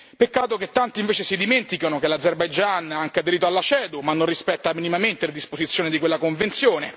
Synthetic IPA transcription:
pekːaːt̪oket̪ːant̪iːɱveːt͡ʃesid̪iment̪ikanokelad̪zerbajd͡ʒanaaŋkead̪eɾiːt̪oalːat͡ʃɛːd̪umanːonrispɛt̪ːaminimament̪eled̪ispozit̪sjoːned̪ikwelːakoɱvent̪sjoːne

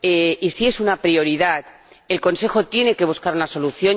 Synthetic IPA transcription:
eisie̞sunapɾio̞ɾiðað | e̞lko̞nse̞xo̞t̪je̞ne̞ke̞β̞uskaɾunaso̞luθjo̞

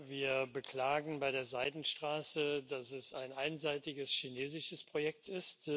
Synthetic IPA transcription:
viːɐbəkl̥aːɡŋ̩baɪɾeːɐzaɪdn̩ʃtʁ̥aːsədasɛsaɪnʔaɪnzaɪtɪɡəsʃineːzɪʃəspʁ̥ojɛktɪst

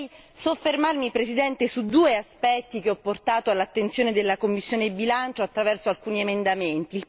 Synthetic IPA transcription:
j | sofːermarmipɾesid̪ɛnt̪esud̪uːeaspɛt̪ːik̟eɔpːort̪aːt̪oalːat̪ːent̪sjoːned̪elːakomːisːjoːnebilant͡ʃoat̪ːɾavɛrsoalkuːniemend̪ament̪iːl

